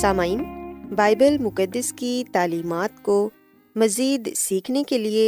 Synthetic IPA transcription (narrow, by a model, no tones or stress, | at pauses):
saːmaːiːnbaːɪbəlmʊkəd̪ːəskit̪aːliːmaːt̪ko | mɐziːd̪siːkʰnekelie